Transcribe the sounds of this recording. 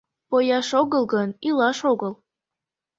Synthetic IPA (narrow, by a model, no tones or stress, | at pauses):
pojɑʃoɣəlˠɣənilɑʃoɣəlˠ